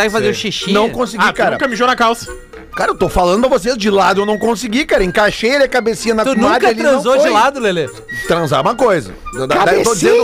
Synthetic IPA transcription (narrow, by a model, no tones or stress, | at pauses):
aɪfazeɾʃiʃĩnɐ̃w̃kõsiikaɾɐ̃kɐmɪʒonɐkawsɐ̥ | kaɾɐewt̪ofalɐ̃nd̪ʊɐvos̬ezd͡ʒɪlad̪ʊewnɐ̃w̃kõsiɡikaɾɐẽkaʃejeliɐkabesĩɲɐnɐt̪ad͡ʒkɐeliɾɐ̃zod͡ʒɪlad̪ʊlele | t̪ɾɐ̃za̰ũmɐkojzɐ̰ed̪aewt̪od͡ʒizẽnd̪ʊ